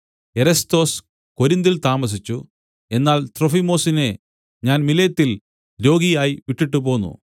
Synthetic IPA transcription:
e̞ɾɐst̪o̞ːs | ko̞ɾind̪ilt̪aːmɐs̬it͡ɕːu | e̞nːaːlt̪rofimo̞ːsine̞ | ɲaːnmilɐjɐt̪ːil | ɾo̞ːɡijaːjiʋiʈːiʈːupo̞ːnːṵ

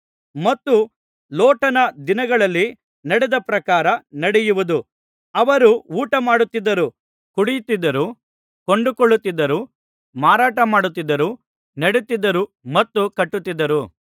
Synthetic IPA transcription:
mɐt̪ːu | loːʈɐnɐd̪inɐɡɐɭɐlːi | nɐɽɛd̪ɐpɾɐkaːɾɐnɐɽɛjuʋud̪u | ɐʋɐɾuuːʈɐmaːɽut̪ːid̪ːɐɾu | kuɽijut̪ːid̪ːɐɾu | koɳɖukoɭːut̪ːid̪ːɐɾu | maːɾaːʈɐmaːɽut̪ːid̪ːɐɾu | nɐɽut̪ːid̪ːɐɾumɐt̪ːukɐʈːut̪ːid̪ːɐɾu

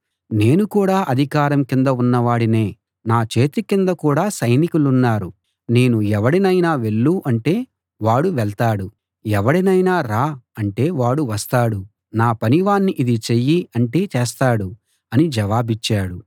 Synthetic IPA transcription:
ne̞ːnukuːɽaːʔɐd̪ʱikaːɾɐmkind̪ɐunːɐʋaːɽine̞ː | naːt͡ʃe̞ːt̪ikind̪ɐkuːɽaːsɐjnikulunːaːɾu | ne̞ːnuɛʋɐɽinɐjnaːʋe̞ɭːuʔɐɳʈe̞ː | ʋaːɽuʋɛɭt̪aːɽu | ɛʋɐɽinɐjnaːɾaːɐɳʈe̞ːʋaːɽuʋɐst̪aːɽu | naːpɐniʋaːnːiʔid̪it͡ʃejːiɐɳʈe̞ːt͡ʃeːst̪aːɽu | ɐnid͡ʒɐʋaːbit͡ʃːaːɽu

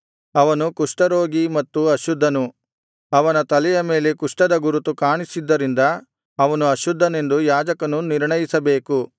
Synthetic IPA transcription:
ɐʋɐnukuʂʈɐɾoːɡimɐt̪ːuɐʃud̪ʱːɐnu | ɐʋɐnɐt̪ɐlɛjɐme̞ːlekuʂʈɐd̪ɐɡuɾut̪ukaːɳisid̪ːɐɾind̪ɐː | ʋɐnuɐʃud̪ʱːɐne̞nd̪ujaːd͡ʒɐkɐnuniɾɳɐjisɐbe̞ːku

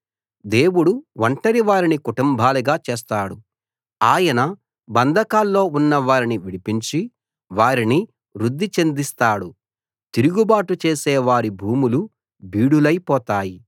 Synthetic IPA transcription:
d̪e̞ːwuɽuʋɐɳʈɐɾiʋaːɾinikuʈumbʱaːliɡaːt͡ʃeːst̪aːɽu | aːjɐnɐ | bɐnd̪ʱɐkaːlːo̞ːunːɐʋaːɾiniʋiɽipiɲt͡ʃi | ʋaːɾini | ɾud̪ːit͡ʃe̞nd̪ist̪aːɽu | t̪iɾuɡubaːʈut͡ʃeːsɛːʋaːɾibʱuːmulu | biːɽulɐjpɔːt̪aːji

